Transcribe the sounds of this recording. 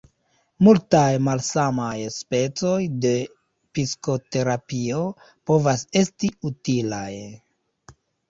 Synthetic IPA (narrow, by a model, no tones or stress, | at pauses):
multajmalsamajspe̞t͡so̞jde̞ | pisko̞te̞ɾapio̞ | po̞vase̞stiutilaj